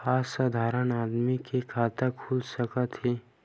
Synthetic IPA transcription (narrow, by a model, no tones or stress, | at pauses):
xaːsːad̪ʱaːɾənaːd̪mikekʰaːt̪əkʰuːlsəkət̪ɦeː